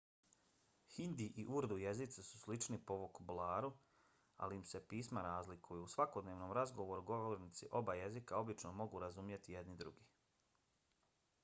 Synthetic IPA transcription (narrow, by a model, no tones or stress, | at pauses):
hind̪iʔiʔuɾd̪ujezit̪sasu̥slit͡ʃnipoʋokobulˠaːɾu | a̰liːmsepiːsmaɾaːzlikʰujuusʋako̞d̪ne̞ːʋno̞mɾazɡo̞ʋo̞ɾuɡo̞ʋoɾnit̪siʔo̞baje̞zikao̞bit͡ʃnomo̞ɡuɾazumje̞t̪ije̞d̪nid̪ɾṵɡi